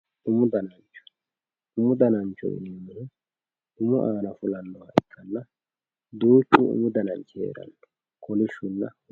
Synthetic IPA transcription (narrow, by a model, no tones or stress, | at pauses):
ʊmʊd̪ɐnɐnt͡ʃːɔ̥ | ʊmʊd̪ɐnɐnt͡ʃːɔ̰jɪ̰nɛmːɪnʊ | ʊmʊʔaːnɐfʊlɐnːɔwaʔɪkʰːɐnːɐ | d̪uːt͡ʃːṵʊ̰mʊd̪ɐnɐnt͡ʃːḛːɾɐ̰nːɔ̥ | kʰɔlɪʃːʊnːɐ